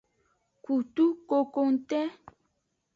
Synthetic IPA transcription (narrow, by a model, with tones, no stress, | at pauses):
ku˨tu˦ko˨ko˦n̩˦tɛ˦